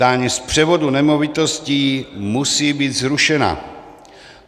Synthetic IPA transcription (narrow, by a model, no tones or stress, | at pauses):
aːɲispr̝̥ɛvo̞dunɛmo̞vɪt̪o̞sciːmusiːbiːt̪zɾuʃɛna̰